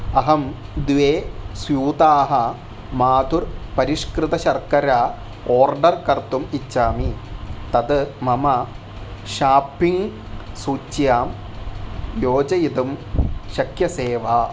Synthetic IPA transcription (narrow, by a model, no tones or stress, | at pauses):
ɐɦɐm | d̪ʋeːsjuːt̪aːɦɐ | maːd̪urpɐɾiʂkɾɨt̪ɐɕɐrkɐɾaː | oːrɖɐrkɐrt̪umit͡ɕːaːmit̪ɐd̪ɨmɐmɐ | ɕaːpːiŋ | suːt͡ɕːjaːm | joːd͡ʑɐjid̪umɕɐkʰjɐseːʋaː